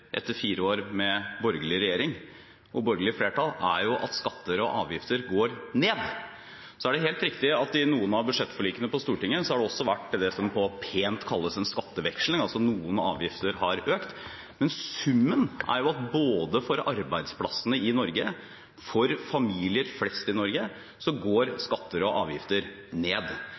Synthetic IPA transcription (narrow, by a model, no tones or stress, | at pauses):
ʔɛ̰t̪ːəɾfiːɾəoːɾmɛbɔɾɡəlɪəɾɛjeːɾɪŋ | ʔɔbɔɾɡəlɪəfleːʈɑlæ̰ɾjʊʔɑ̰t̪skɑt̪ːəɾɔʔɑːʋjɪft̪əɾɡoːɾneːd̪ | sɔæɖɛɦeːlt̪ɾɪkt̪ɪɑt̪ɪnuːənɑʋbʉd̪ʂɛt̪ːfɔɭiːkənəpɔst̪uːʈɪŋːəsɔhɑɖɛɔsːɔʋæʈːd̪ɛsɔmpʰɔpʰeːnt̪kʰɑlːəsɛnskɑt̪ːəʋɛkʂlɪŋɑlsɔnuːənɑ̰ːʋjɪft̪əɾɦɑɾøːkt̪ | mɛnsʉmːənʔæ̰ɾjʊɑt̪̚boːd̪əfɔɾɑɾbæɪd̪spʰlɑsənəɪnɔɾɡə | fɔɾfɑmiːlɪəɾflɛst̪ɪnɔɾɡə | sɔɡoːɾskɑt̪ːəɾɔʔɑːʋjɪft̪əɾ | neːd̪